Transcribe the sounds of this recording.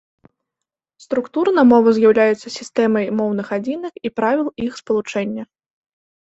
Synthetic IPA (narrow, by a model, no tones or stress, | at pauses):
st̪ɾukt̪urnɐmɔvɐzʲjawlʲajut̪sːɐsʲist̪ɛmɐjmɔwnɨxad͡zʲinɐkipɾavʲilˠixspɐlˠut͡ʂɛnʲːɐ